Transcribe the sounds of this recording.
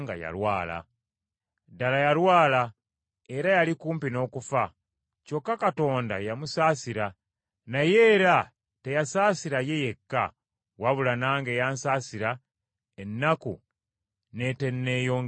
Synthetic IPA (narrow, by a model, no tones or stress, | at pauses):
ŋɡa̰ja̰lwaːla̰ | dalajalwaːla | e̞ɾajalikuːmpino̞ːkufa | co̞kːakato̞ːnda̰jamusaːsiɾa | naje̞ːɾa | tejasaːsiɾaje̞je̞kːa | waβulanaːŋɡe̞jaːnsaːsiɾa | enːakṵ | ne̞te̞nːe̞jo̞ː